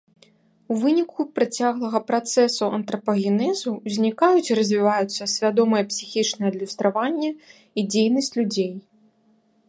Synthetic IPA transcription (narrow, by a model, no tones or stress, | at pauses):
uvɨnʲikʰupɾat͡sʲaɣlˠɐɣɐpɾat̪sɛsuʔɐnt̪ɾɐpɐɣʲinɛzuzʲnʲikajut͡sʲiɾɐzʲvʲivajut̪sːɐsʲvʲad̪ɔmɨjɛpsʲixʲit͡ʂnɐjɛɐd̪lʲust̪ɾavanʲːɐ | id͡zʲejnɐsʲt͡sʲlʲud͡zʲej